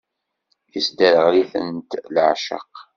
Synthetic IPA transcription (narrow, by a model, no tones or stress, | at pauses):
jəsd̪əɾəʁliθə̰nt̪lʕʃə̰q